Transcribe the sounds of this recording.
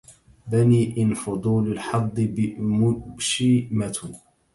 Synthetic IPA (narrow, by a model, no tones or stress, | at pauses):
baniːʔɪnfʊd̪ˤuːlalħɑd̪ˤːɨbɪmʊʃɪmat̪ʊ